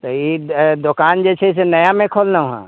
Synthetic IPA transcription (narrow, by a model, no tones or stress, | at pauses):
t̪oid̪ʊkaːnd͡ʒɛt͡ʃʰɛs̬enəjamẽkʰolnaɦã̰